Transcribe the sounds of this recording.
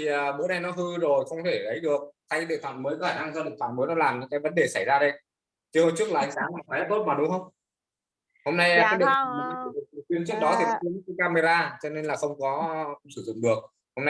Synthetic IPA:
t̪ʰi˨˩ʔəː˨˩ɓṵ˧˥ɗa˧jnɔ˨˦ɦɨ˧zo˨˩jxə˧wŋ͡mt̪ʰe˧˩lə˨˦jɗɨ˨˩ək̚t̪ʰa˧jɗḛ˧˨t̪ʰwa̰ː˧˨˩məː˨˦jkɔ˨˦xaː˧˩na˧ŋzɔ˧ɗḛ˧˨t̪ʰwa̰ː˧˨˩məː˨˦jnɔ˨˦laː˨˩mɲɨ̰˧˥ŋkaː˨˦jvə˨˦nɗe˨˩sa˧˩jzaː˧ɗe˧ | t͡ɕi˧˦ho˧t͡ɕɨ˦˥ək̚laː˨˩ʔa̰˧jŋsaː˨˦ŋaː˨˩ɔ˨˦ɛ˦˥p̚t̪o˦˥t̚maː˨˩ɗʊ˨˦ŋ͡mhə˧wŋ͡m | ho˧mna˧jkːjɗḭ˧˨t̪ʰa̰ː˨˩˨a˧˩ti˧˩ɨ˨˩t̪ɨ˨˩t̪wi˨˦ənt͡ɕɨ˦˥ək̚ɗɔ˨˦t̪ʰi˨˩ɔ˨˦t̪i˧˦m̚˨˦˥kːkaː˧me˧zaː˧t͡ɕɔ˧ne˧nlaː˨˩xə˧wŋ͡mkɔ˨˦sɨ˧˩zʊ̰˧˨ŋ͡mɗɨ˨˩ək̚ | ho˧mna˧j

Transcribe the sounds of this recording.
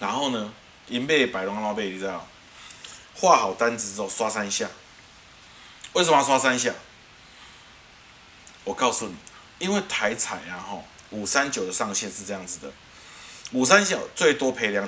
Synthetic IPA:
na˨˦nho˥˧ʊnə˧ | i˧npe˥˧ɪpa˨˩ɪlɔ˧ŋa˧˦˧wa˥˧pe˥˧ɪi˧t͡sa˥˧˩ | xwa˥˧ɦa˨˩ʊt̪a˦nt͡sɹ̩˧˦t͡s̩˧t͡sɔ˥˨˩swa˦sa˦nɕja˥˩ | we˥˩s̬ə˨˩mə˧swa˦sa˦nɕ̬ja˥˨ | wɔ˨˩kɑ˥˧ʊsu˨ni˨˩˦ | i˦nwe˥˨ɪt̪ʰa˨˧˦ɪt͡sʰa˨˩ɪa˨hɔ˥˨ | u˨˩sa˦nt͡ɕjo˨˩ʊd̪ə˨sɑ˥˧ŋɕjɛ˥˧nʂɻ̩˥˧t͡sɤ˧ja˥˩ŋd͡z̩˨d̪ə̰˩ | u˨˩s̬a˦nɕja˨˩ʊt͡swe˥˨ɪt̪wɔ˦pʰe˨˦ɪlja˧˦ŋ

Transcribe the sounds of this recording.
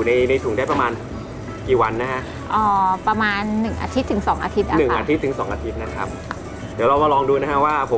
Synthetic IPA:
u˨˩na˧jna˧jt̪ʰu˨˩˦ŋdaː˥˩jpa˧maː˧n | kiː˨˩wa˧nːa˦˥kʰa˦˥ʔ | ʔɔː˨˧˩pɾa˧maː˧nːɯ˨˩ŋʔa̰ː˧t̪ʰi˦˥t̪ʰːɯ˩˦ŋsɔː˩˦ŋʔa̰ː˧t̪ʰi˦˥t̪̚a˩˧˨nɯ˨˩ŋʔaː˧t̪ʰi˦˥t̪ʰːɯ˩˦sɔː˩˦ŋʔaː˧t̪ʰi˦˥t̪̚na˦˥˩kʰa˦˥p̚ | d̪iː˩˦ɾla˧wma˧lɔː˧ŋduː˧na˦˥kʰa˦˥ʔwaː˥˩pʰo˨˩˦

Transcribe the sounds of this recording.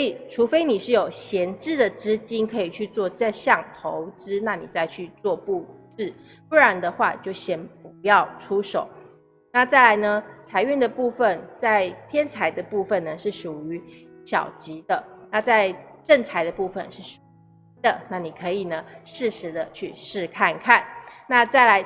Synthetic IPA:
i˨˩ʈ͡ʂʰu˧˥fe˥ɪni˨˩ʂɻ̩˥˩jo˨˩ʊɕjɛ˧˥nʈ͡ʂɻ̩˥˩d̪ə˨ʈ͡ʂɻ̩˥t͡ɕi˥nkʰɤ˧˥i˨˩t͡ɕʰy˥˧t͡swɔ˥˧t͡sə˥˧ɕjɑ˥˩ŋt̪ʰo˧˦ʊʈ͡ʂɻ̩˥na˥˩nḭ˨˩t͡sa˥˧ɪt͡ɕʰy˥˧t͡swɔ˥˧pu˥˧ʈ͡ʂɻ̩˥˩ | pu˥˩ɻa˧˥nd̪ə˧xwa̰˥˧t͡ɕjo˥˩ʊɕjɛ˨˩np̚u˧˥jɑ˥˩ʊʈ͡ʂʰu˥ʂo˨˩˦ʊ | na˥˧t͡sa˥˩ɪla˧˥ɪnə˧t͡sʰa˧˥ɪy˥˩nd̪ə˩pu˥˧fə˨nt͡sa˥˩ɪpʰjɛ˥nt͡sʰa˧˥ɪd̪ə˧pu˥˧fə˨nə˩ʂɻ̩˥˩ʂu˨˩y˧˦ | ɕjɑ̰˨˩ʊt͡ɕi˧˥d̪ə˧na˥˧t͡sa˥˧ɪʈ͡ʂə˥˩nt͡sʰa˧˥ɪd̪ə˧pu˥˧fə̰˨nʂɻ̩˥˩ʂu˨˩ | i˧˥d̪ə˨na˥˩ni˨˩kʰɤ˧˥i˨˩nə˩ʂɻ̩˥˩ʂɻ̩˧˥d̪ə˧t͡ɕʰy˥˧ʂɻ̩˥˧kʰa˥˧nkʰa˥˩nna˥˧t͡sa˥˩ɪla˧˥ɪ

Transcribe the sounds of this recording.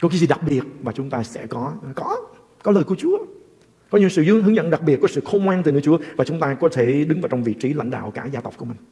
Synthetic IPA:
kɔ˨˦kaː˨˦jzi˨˩ɗa˨˩k̚ɓi˨˩ət̚maː˨˩t͡ɕʊ˨˦ŋ͡mt̪aː˧sɛ̰˧˥˩kɔ˨˦kɔ˨˦ | kɔ˨˦ləː˨˩ku˧˩ət͡ɕu˨˦ə | kɔ˨˦ɲḭ˧˥wsɨ̰˧˨zɨ˧əŋɦɨ˨˦ŋzə̰˧˨nɗa˨˩k̚i˨˩ət̚kɔ˨˦sɨ̰˧˨xə˧ŋ͡mkwaː˧nt̪ɨ˨˩nɨ̰˨˧˦t͡ɕu˨˦əvaː˨˩t͡ɕʊ˨˦ŋ͡mt̪aː˧kɔ˨˦t̪ʰe˧˩ɗɨ˨˦ŋvaː˨˩wt͡ɕɔ˧wŋ͡mvḭ˧˨t͡ɕi˨˦la̰˧˥jŋɗa̰ː˧˨wkaː˧˩zaː˧t̪ə˨˩k͡p̚ku˧˩əmï˨˩ŋ̟

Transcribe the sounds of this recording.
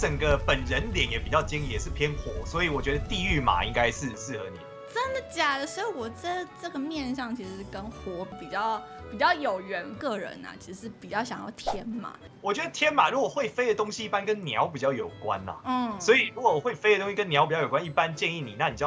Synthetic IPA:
t͡sə˨˩ŋɡə˦pə˨˩nɻə˧˦nljɛ˨˦njɛ˨˩˥pi˨˩t͡ɕjɑ˥˩ʊt͡ɕi˥ŋi˥˩jɛ˨˩ʂɻ̩˥˩pʰjɛ˦˥nxwɔ˧˥swɔ˧˥i˨˦wɔ˨˩t͡ɕɥɛ˧˦d̪ə˧t̪i˥˧y˥˩ma̰˨˩˦i˦˥ŋka˦ɪʂɻ̩˥˧ʂɻ̩˥˩ɤ̰˧˥nḭ˨˩ | ʈ͡ʂə˥nd̪ə˨t͡ɕja˨˩d̪ə˦swɔ˧˥i˨˩wɔ˨˩t͡sa˥˩ʈ͡ʂɤ˥˩ɡə˩mjɛ˥˧nʂɑ˥˩ŋt͡ɕʰi˧˥ʂɻ̩˧˥kə˥nxwɔ˧˥pi˨˩t͡ɕjɑ˥˩ʊpi˨˩t͡ɕjɑ˥˩ʊjo˨˩ʊɥɛ˧˥nkɤ˥˩ɻə̰˧˦nɐ̰˨˩t͡ɕʰi˧˥ʂ̩˧ʂɻ̩˥˩pi˨˩t͡ɕjɑ˥˩ʊɕ̬jɑ˨ŋjɑ̰˥˩ʊt̪ʰjɛ˥nma̰˨˩˦ | wɔ˨˩t͡ɕɥɛ˧˥d̪ə˧t̪ʰjɛ˥nma˨˩ɻu˧˥kwe˥˩ɪfe˥ɪd̪ə˨t̪ʊ˥ŋɕi˧˦i˥˩pa˦nkə˦nnjɑ̰˧˦ʊpi˨˩t͡ɕjɑ˥˩ʊjo˨˩ʊkwa̰˦na̰˨˩n̩˥˩swɔ˧˥i˨ɻu˧˥kwɔ˧˦˨we˥˩ɪfe˥ɪdə˩t̪o˥ŋɕi˧kə˦nːjpi˨˩t͡ɕɑ˥˩jo˨˩kwa˦i˥˩pa˦nt͡ɕjɛ˥˧ni˥˨ni˨˩na˥˩ni˨˩t͡ɕjɑ˥˩

